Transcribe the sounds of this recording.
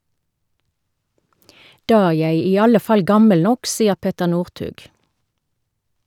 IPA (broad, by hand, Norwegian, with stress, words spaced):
ˈdɑː ˈæː ˈjæɪ ˈiː ˈɑlə ˈfɑl ˈɡɑməl ˈnɔk ˈsiːəʁ ˈpɛtəʁ ˈnuːʁˌtʉːɡ